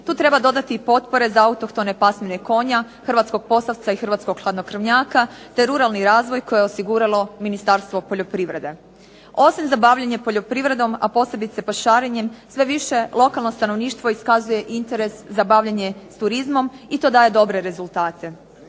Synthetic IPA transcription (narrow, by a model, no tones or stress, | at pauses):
t̪uːt̪ɾe̞bad̪o̞d̪at̪ipo̞t̪po̞ɾe̞zaaut̪o̞kt̪o̞ne̞pasmeneko̞ɲa | xr̩ʋat̪sko̞ɡ̥̚po̞saʋt̪saixr̩ʋaːt̪skoɡxlˠad̪nokr̩ʋɲaːkat̪e̞ɾuɾalˠniɾaːzʋo̞jko̞jeosiɡuɾalˠo̞minist̪aɾst̪ʋo̞poʎo̞pɾiʋɾe̞̰d̪e̞ | o̞simzabaʋʎaɲe̞po̞ʎo̞pɾiʋɾe̞d̪o̞ma̰po̞ːse̞bit̪se̞paʃaːɾeɲemsʋe̞ʋiʃe̞lˠo̞kalˠno̞st̪ano̞ʋniːʃt̪ʋo̞iskazuje̞ʔint̪e̞ɾe̞szabaʋʎaɲe̞st̪uɾizmo̞mit̪o̞ːd̪aːje̞d̪o̞bɾe̞ɾe̞zulˠt̪aːt̪e̞